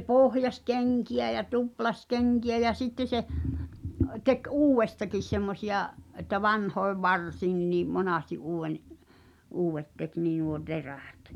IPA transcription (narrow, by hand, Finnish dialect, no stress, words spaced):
pohjɑs keŋkiæ jɑ tuplɑs keŋkiæ jɑ sitːe se tek uːwˑestɑkis semːosiɑʔ ʔetːæ ʋɑnhoeʋ ʋɑrsiːnˑiniː monɑˑsti ʔuːwˑen uːw̆ʋet tek niː nuo teræ̥ˑt